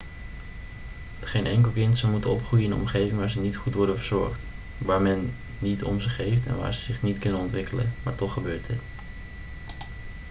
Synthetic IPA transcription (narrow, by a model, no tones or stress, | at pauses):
χejnʔɛŋkəlˠkɪntsəmutəɔpχrujəɪnɔ̰mχejvɪŋʋaːɹzənitχutʋɔɹdənvəɹzɔ̰ɹχt | ʋaːɹmɛnː | itʰɔ̰mzəχejftɛ̰nʋa̰ːɹzəzɪχnitkɵnənɔntʋɪkələ̰nmaːɹtɔχəbøːɹtət